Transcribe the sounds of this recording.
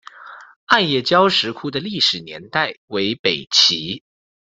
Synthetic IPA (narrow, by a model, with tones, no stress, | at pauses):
a˥˧njɛ˥˩t͡ɕjɑ˥ʊʂɻ̩˧˥kʰu˥d̪ə˨li˥˩ʂɻ̩˨˩njɛ̰˧˥nt̪a˥˩ɪwe˧˥ɪpe˨˩ɪt͡ɕʰi˧˥